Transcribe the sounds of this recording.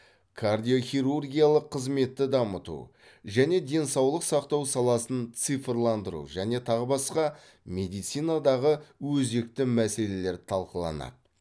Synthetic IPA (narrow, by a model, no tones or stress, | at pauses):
kʰard̪ijo̞χʲiɾurɡʲijalˠəqʰːəzme̞t̪ːɪd̪ɑmət̪ṵ | ʒæne̞d̪e̞nsɑwlˠəqsɑqt̪ɑwsɑlˠɑsənt̪sɨfrlˠɑnd̪əɾṵʒæne̞t̪ʰɑʁəbɑsqɑ | me̞d̪ijt̪sijnad̪ɑʁəwɵze̞kt̪ɪmæse̞le̞le̞ɾt̪ʰɑlˠqəlˠɑ̰nɑ̰d̪ə